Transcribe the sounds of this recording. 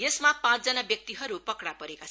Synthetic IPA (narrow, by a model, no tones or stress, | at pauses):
jesmapãt͡sd͡zʌnabjʌk̚t̪iɦʌɾupʌkɽapʌɾekat͡sʰ